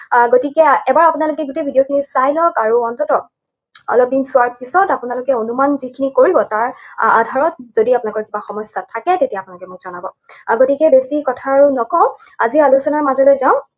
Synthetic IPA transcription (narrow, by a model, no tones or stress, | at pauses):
ɡotikɛɛbaɹapʊnalʊkɛɡutebʱidiokʰinisajlɔkaɹuɔntɔtɔk̚ | ɔ̰lɔp̚dinsʊwaɹpisɔtapʊnalʊkɛonumanzikʰinikoɹibɔtaɹadʱaɹɔt̚z̥odiapʊnakɔɹkibaxɔmɔsatʰakɛtetiapʊnalʊkɛmʊkz̥ɔnabɔ | ɡotikɛbesikɔtʰaːɹunɔkɔ | azialusɔnaɹmazɔlɔjzaʊ̃